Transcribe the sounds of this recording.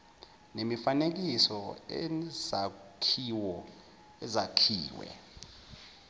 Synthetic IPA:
nemifanek̬isɔ | akʰiwɔ | ɛzakʰiːwɛ̰

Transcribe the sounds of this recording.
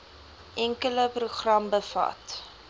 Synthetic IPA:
ʔɛŋkələpruχrɐmbəfɐ̰t

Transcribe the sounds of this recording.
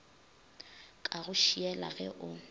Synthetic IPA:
kʼaɣʊʃiɛla̰ɣɛ̰ʔʊ

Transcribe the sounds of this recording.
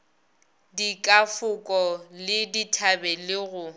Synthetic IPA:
dikʼafʊkʼɔlɪditʰabɛlɪɣʊ

